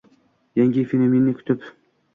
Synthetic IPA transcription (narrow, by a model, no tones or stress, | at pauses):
jaŋʲifenominːɪkʰʲʊ̥t̪ʰɪp